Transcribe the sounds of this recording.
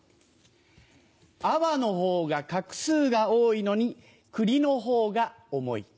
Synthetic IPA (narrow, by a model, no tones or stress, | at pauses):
aβano̞ɦo̞ːɡakakɯ̟̥sɨːɡaoːino̞ɲ̟i | kɯ̟ɾʲino̞ɦo̞ːɡaomo̞̰ḭ